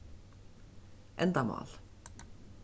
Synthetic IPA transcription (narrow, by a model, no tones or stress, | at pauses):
ʔɛnd̪ɑmɑ̰ːl